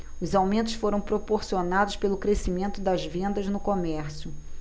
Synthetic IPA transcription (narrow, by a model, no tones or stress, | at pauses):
ʊzawmẽnt̪ʊ̥sfoɾɐ̃w̃pɾopoɾsionad̪ʊʃspelʊkɾesimẽnt̪ʊd̪ɐzvẽnd̪ɐznʊkomɛɾsjʊ